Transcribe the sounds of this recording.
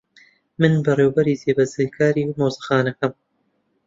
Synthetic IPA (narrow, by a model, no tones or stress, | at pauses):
mɨnbɐreːwbɐɾiːzeːbɐzejkʰaːɾiːmoːzɨxaːnɐkɐm